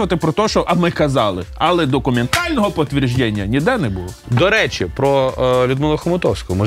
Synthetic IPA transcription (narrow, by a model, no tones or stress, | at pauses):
ʋɐt̪ɪpɾɔt̪ɔʃt͡ʃɔʔɐmɪkɐzɑlˠɪ̰ɐlˠɛd̪ɔkʊment̪ɑlʲnɔɦɔpɔt̪ʲʋʲirʒd͡ʒɛnʲːɐnʲid̪ɛnɛbulˠɔd̪ɔɾɛt͡ʃɪpɾɔlʲʊd̪mɪlˠɔxɔmʊt̪ɔwsʲkɔɦɔmɔ